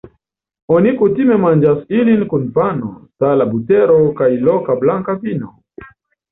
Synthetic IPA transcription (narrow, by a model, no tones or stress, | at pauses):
ɔnikutimɛmand͡ʒasilinkunfano̰talabutɛɾokajlɔkablaŋkavino